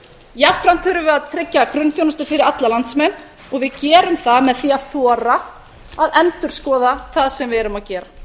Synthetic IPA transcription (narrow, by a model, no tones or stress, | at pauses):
jafɾan̥t̪ʰhʏɾʏvɪðaðt̪ʰɾɪcːakɾʏnfjownʏst̪ʏfɪɾɪɾat̪lalant̪smɛnː | ɔɣvɪðcɛːɾʏmθaðmɛðθiːaθɔːɾa | aðɛnt̪ʏɾ̥skɔːðaθaðsɛmvɪɛɾʏmaðcɛːɾa